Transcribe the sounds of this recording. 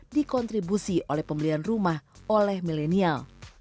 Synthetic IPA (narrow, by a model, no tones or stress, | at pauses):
dikɔnt̪ɾibusiʔolɛhpəmbəlianrumahʔolɛhmilenial